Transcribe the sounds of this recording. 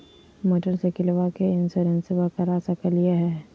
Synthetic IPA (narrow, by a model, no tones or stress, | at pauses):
moːʈəɾsekɪlʋakeɪnsəɾənsɪʋakaɾaːsakəliaɦɛː